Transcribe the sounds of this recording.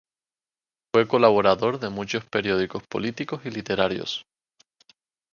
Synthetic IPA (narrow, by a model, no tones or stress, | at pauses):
fwe̞ko̞laβ̞o̞ɾaðo̞ɾðe̞mut͡ʃo̞spe̞ɾjo̞ðiko̞spo̞̰lit̪iko̞silit̪e̞ɾaɾjo̰s